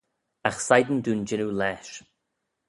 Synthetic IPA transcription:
axsajd̪ən̩d̪uːnd͡ʒɪnulɛːʃ

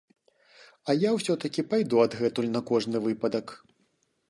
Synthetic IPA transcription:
ɐjawsʲɔt̪ɐkʲipajd̪uɐd̪ɣɛt̪ulʲnɐkɔʐnɨvɨpɐd̪ɐk

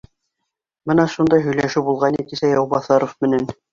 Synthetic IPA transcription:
bɤnɑʃund̪ɑjɦɵ̆jlæʃɘwbulˠʁɑnik̪isæjɑwbɑθɑɾofmɘ̆næn

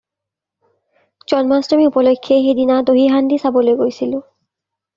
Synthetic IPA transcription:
d͡ʑɔnmastomiupɔlokʰːeɦed̪inad̪oɦiɦand̪isabolojɡojsilu

